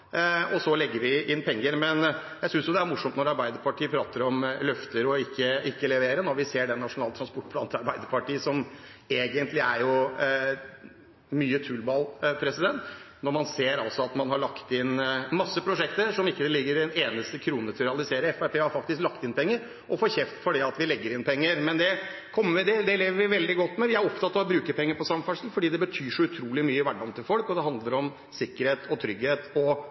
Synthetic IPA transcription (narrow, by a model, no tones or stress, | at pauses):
ɔsɔlɛɡːəɾʋɪʔɪnpʰɛŋːəɾmɛnjæsʏnsjʊd̪ɛæɾmʊʂɔmt̪nɔɾɑɾbæɪd̪əɾpɑʈʰiːəpʰɾɑːt̪əɾɔmlœft̪əɾɔɪkːəʔɪkːəlɛʋeːɾənɔɾʋɪseːɖɛnːɑʂʊnɑːlt̪ʰɾɑnspɔʈːpʰlɑːnt̪ʰɑɾbæɪd̪əɾpɑʈiːsɔm | eːɡənt̪lɪæɾjʊ | myːət̪ʰʉlbɑːlpʰɾɛsɪd̪ɛnt̪ | nɔɾmɑnseːɾɑlsɔɑt̪mɑnɦɑɭɑkt̪ɪnmɑsːəpʰɾʊʂɛkt̪əɾʂɔmɪkːəlɪɡːəɾd̪ɛneːnəst̪əkʰɾuːnət̪ʰɪɾɛɑlɪseːɾəɛfæpʰeːhɑɾfɑk̚t̪ɪsklɑkt̪ɪnpʰɛŋːəɾ | ʔɔfoːɾçɛft̪fɔɖɛɑt̪ʋɪlɛɡːəɾɪnpʰɛŋːəɾmɛnd̪ɛkʰɔmːəʋɪd̪ɛd̪ɛleːʋəɾʋɪʋɛld̪ɪɡɔt̪ːmɛʋɪæɾɔpt̪ʰɑt̪ːɑʋɔbɾʉːkəpʰɛŋːəɾpɔsɑmfɑʂn̩fɔɖiːd̪ɛbət̪ʰyːʂɔʉt̪ʰɾuːlɪmyːəɪʋæɖːɑnt̪ʰɪlfɔlkɔd̪ɛɦɑnd̪ləɾɔm | sɪkːəɾheːt̪ʰɔt̪ʰɾʏɡheːt̪ɔ